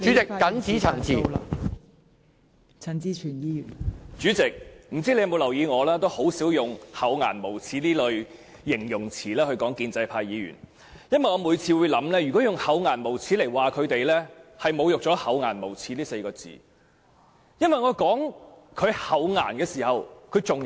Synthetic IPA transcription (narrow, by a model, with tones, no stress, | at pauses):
t͡ʃy˨˥t͡sɪ˨kkɐ˨˥nt͡sʰiː˨˥t͡sʰɐ˨˩ŋt͡sʰiː˨ | t͡sʰɐ˨˩nt͡si˧˥t͡ʃʰyː˨˩njiː˧˥jyː˨˩nt͡syː˨˥t͡sɪ˨k̚m̩˨˩t͡si˥le˧jɐ˧mo˨˧wlɐ˨˩wjiː˨˧ŋɔː˨˧laː˥t̪o˥who˨˥wsiː˨˥wjʊ˨ŋhɐ˨˥wŋaː˨˩nmo˨˩wt͡sʰiː˨˥liː˥lɵ˨˧ɥ | jɪ˨˩ŋjʊ˨˩ŋt͡sʰiː˨˩lɛː˥hɵ˧ɥkɔː˨˥ŋkiː˧nt͡sɐ˧jpʰaː˧jiː˨˧jy̰ː˨˩n | jɐ˥nwɐ˨jŋɔː˧muː˨˧jt͡sʰiː˧wuː˨˧jlɐ˨˥mlɛː˥jy˨kɔː˨˥jʊ˨ŋhɐ˨˥wŋaː˨˩nmo˨˩wt͡sʰiː˨˥le˨˩jwaː˨kʰɵ˨˧ɥt̪e˨jlɛː˥hɐ˨jmo˨˧wjʊ˨k̚t͡sɔː˨˥hɐ˨˥wŋaː˨˩nmo˨˩wt͡sʰiː˨˥liː˥se˧jkɔː˧t͡sḭː˨˩ | jɐ˥nwɐ˨jŋɔː˨˧kɔː˨˥ŋ | kʰɵ˨˧ɥhɐ˨˥wŋa̰ː˨˩nkɛː˧siː˨˩hɐ˨wkʰɵ˨˧ɥt͡sʊ˨ŋ